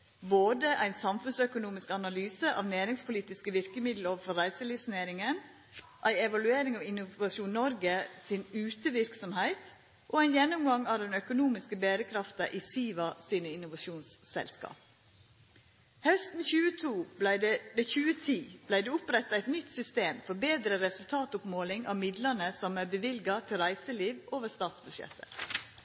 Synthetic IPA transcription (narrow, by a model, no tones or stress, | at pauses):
boːd̪əʔæɪnsɑmfʉnsœkʊnuːmɪskɑnɑlyːsəʔɑ̰ːʋnæːɾɪŋspʰʊliːt̪ɪskəʋɪɾkəmɪd̪l̩oːʋəfɔɾæɪsəlɪsneːɾɪŋən | ʔæɪɛʋɑlʉeːɾɪŋɑːʋɪnʊʋɑʃuːnnɔɾɡəsɪnʉːt̪əʋɪɾksɔmhæɪt̪ | ʔoːæɪnjɛnʊmɡɑŋɑːʋd̪ɛnœkʊnuːmɪskəbeːɾəkʰɾɑft̪ɑʔiːsiːʋɑsiːnəɪnʊʋɑʃuːnssɛ̰lskɑ̰ːp̚ | hœst̪n̩çʉːət̪ʰuːblæɪd̪ɛd̪ɛçʉːət̪ʰiːb̥læɪd̪ɛːʊpɾɛt̪ːɑæɪt̪nʏt̪sʏst̪eːmfɔɾbeːd̪ɾəɾɛsʉlt̪ʰɑːt̪ʊpmoːlɪŋʔɑ̰ːʋmɪd̪lənəsɔmæːɾbəʋɪlɡɑt̪ʰɪlɾæɪsəliːʋoːʋəɾst̪ɑːt̪sbʉʃjɛ̰t̪ʰːə̰